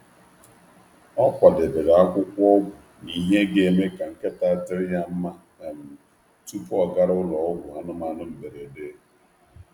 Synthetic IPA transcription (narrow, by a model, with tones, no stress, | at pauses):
ɔ˦kʷa˨dɪ˨bɪ˨ɾa˨a˦kʷʊ˦kʷɔ˦ɡʷʊ˨ | ni˨ɦe˦ɡe˦˨e˨me˦ka˨ŋ̩˨ke˦ta˦tɪ˦ɾɪ˦ja˦m̩˦ma˦ | na˨m̩˨ | tu˦pʊ˦ɔ˨ɡa˦ɾʊ˦lɔ˨ɔ˦ɡʷʊ˨a˦nʊ˦ma˦nʊ˦m̩˨be˨ɾe˨de˦